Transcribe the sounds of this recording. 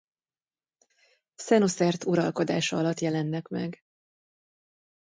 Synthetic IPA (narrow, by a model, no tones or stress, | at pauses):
sɛnosɛrt̪uɾɒlko̞d̪a̰ːʃɒɒlɒt̪jɛlɛnːɛkmɛ̰ɡ